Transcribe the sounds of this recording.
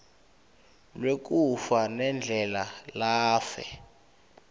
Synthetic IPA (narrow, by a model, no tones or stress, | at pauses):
lwek̬ufanɛnd͡ɮʱɛlalaːfɛ̰